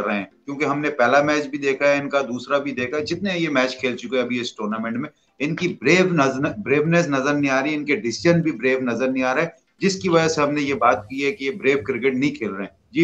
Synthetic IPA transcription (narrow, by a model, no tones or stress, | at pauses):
ɾɐɦeɦɛ̃kjõːkeɦɐmnepɛːlamɛːt͡ʃbʱid̪eːkʰaɛɪnkad̪uːsɾabʱid̪eːkʰaɛd͡ʒɪt̪̚nẽjemɛːt͡ʃkʰeːlt͡ʃʊkeɛɐbʱiɪsʈoːɾnamɛ̃ɳʈmẽ | ɪnkibɾeːʋnɐznbɾeːʋnɛs̬nɐzəɾnĩaːɾɐiɪnkeɖɪsɪʒənbʱibɾeːʋnɐzəɾnĩaːɾaɦɛ | d͡ʒɪskiʋɐd͡ʒaseɦɐmnejebaːt̪̚kiɦɛkijebɾeːʋkɾɪk̬eʈnɐɦĩkʰeːlɾɐɦɛ̃ːd͡ʒiː